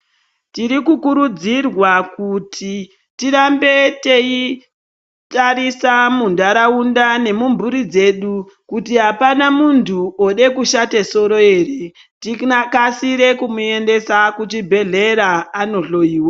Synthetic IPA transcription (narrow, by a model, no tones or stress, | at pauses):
tiɾikukuɾud͡zirwakutʰi | tiɾambe̞te̞i | taɾisamundaɾaundane̞mumbuɾid͡ze̞ɗu | kutiɦapanamuntʰuoɗe̞kuʃateso̞ɾo̞eːre | tinakasiɾe̞kumue̞nde̞sakut͡ʃibʱe̞ɮe̞ɾaːno̞ɬo̞iːwa